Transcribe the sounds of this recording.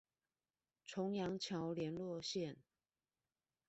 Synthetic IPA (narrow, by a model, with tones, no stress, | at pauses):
ʈ͡ʂʰʊ˧˥˦ŋjɑ˧˥ŋt͡ɕʰjɑ˧˥˦ʊljɛ˧˥nlwɔ˥˧ɕjɛ˥˨n